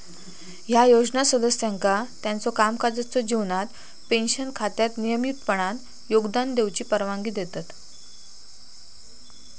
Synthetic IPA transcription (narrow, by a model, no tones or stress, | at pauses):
ɦjajod͡znasəd̪əsjaŋkat̪jant͡sɔkamkad͡zət͡sɔd͡ʑiʋnat̪ | penɕənkʰat̪jat̪nijəmit̪pəɳ̃an | joɡd̪and̪ewt͡ɕiːpəɾʋãŋɡiːd̪et̪at̪